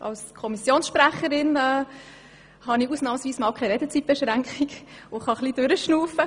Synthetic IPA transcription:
ʔɑ̰wskʰɔmisjoːnsʃpɾæχəɾɪnɛ | hɑniuːsnɑːməsvʋiːsmɑːwkʰɛɪɾɛdət͡sit̚b̥ɛʃɾæŋkχɪɡʊχɑχlid̥øɾəʃnuːfə

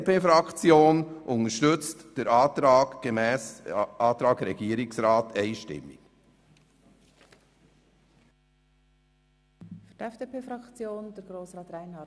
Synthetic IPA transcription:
peːfɾɑkt͡sjoːnʔʊnəʃtʏt͡std̥ɛɾɑːtɾɑːɡɡ̥emɛːsʔɑːt̪ɾɑːɡɾɛɡ̥iːəɾɪksɾɑːteɪʃtɪ̰mːɪ̰k | fyd̥ɛfd̥epeːfɾɑkt͡sjoːnd̥ɛɾɡɾoːsɾɑːtɾaɪnhɑ

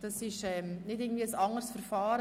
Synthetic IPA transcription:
d̥ɑsɪʃɛmnɪdɪɡən̩v̥ʋiːəsɑŋəɾsfəɾfɑːɾə

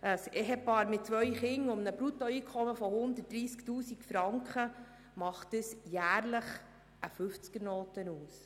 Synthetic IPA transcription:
əseɦɛpɑːɾmɪt̚t͡sʋœʏχɪŋʊmnəbɾut̪ɔiːkʰɔməfɔhʊnd̪ət̚d̥ɾiːsktuːsikfɾɑŋkχə | mɑχtəsjæːɾləχ | ʔəfʏft͡skəɾnoːtənuːs

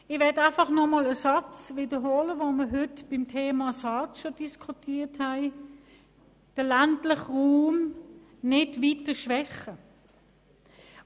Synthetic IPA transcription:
ɪʋɛɐdæɪfɑχnɔmɔləsɑt͡sʋidəɦoːləʋoməɦʏtb̥ɪmtʰeːmɑsɑtʃod̥iskʰutʰiːthæɪ | d̥əlæntlɪχʁuːm | nɪdʋitəʃʋɛχə

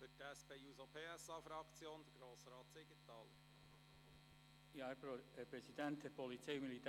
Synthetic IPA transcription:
fʏtæspeːuːzopʰeːæsɑːfɾɑkt͡sjoːnd̪əɾɡ̥ɾoːsɾɑːt̪sɪɡət̪ːɑːlə | jɑpɾɛsid̥̪ænt̪̚d̪̥ɛɾpɔlit͡sejmilit̪ː

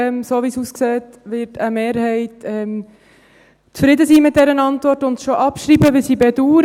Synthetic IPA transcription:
ɛmsoːʋisuskseːt | ʋɪɾtʰəmeːɾhɛɪtɛm | t͡sfɾɪd̪əsiːmɪt̚d̥ɛɾənɑntʋɔɾtʊntʃoʔɑpʃɾiːbəʋɪlsiːbɛduːɾ

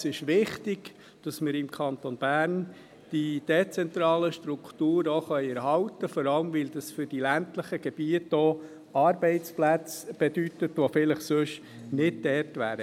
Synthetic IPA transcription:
sɪʃʋɪχtɪɡ̥ | d̥ɑsmɪɾɪmkʰɑnt̪onb̥æːɾn | d̥id̥ɛt͡sɛnt̪ɾɑːləʃtɾuktuːɾoχœɪɛɾɦɑʊt̪əfɔɾɑləmvɪld̪ɑsfʏɾd̥ilæntləχəɡ̥ɛb̥iətoː | ɑːɾbɛɪt͡splæt͡sb̥ɛd̥ytətʋofɪləχsøʃ | nɪd̚dɛrtʋæːɾə

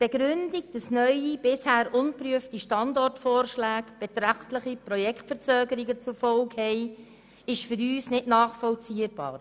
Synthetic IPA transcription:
b̥eɡɾʏndiɡ̚d̥ɑsnœʏib̥ɪshæːɾʔʊnpɾyəftiʃtɑndɔrtfɔːɾʃlæːkb̥ɛt̪ɾæχtləχipɾɔjɛkʰtfɛɾt͡søːɡəɾiɡət͡sʊfɔlkhɛɪ | ɪʃfʏɾyːsnɪdnɑːχfɔlt͡siːəɾb̥ɑ̰ːɾ

